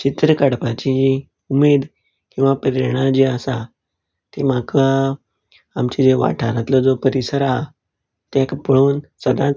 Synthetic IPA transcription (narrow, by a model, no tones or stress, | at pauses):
t͡ɕit̪ɾəkəɽpat͡ɕii | umed̪ | kĩw̃ʋapɾiɾɳ̃ad͡ʑiəsa | t̪imakə | amt͡ɕid͡zeʋa̰ʈʰaɾat̪lɔd͡zopəɾisəɾaɦa | t̪ekpəɭoːnsəd̪ãt͡s